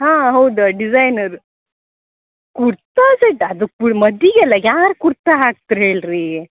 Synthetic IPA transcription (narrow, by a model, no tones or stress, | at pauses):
ɦãɦowd̪əɖid͡zajnəɾ | kuɽt̪ad͡zəɖad̪ukuməd̪iɡɛlaɡjaʋaɾkuɾt̪aɦaʈ̚t̪ɾelɾe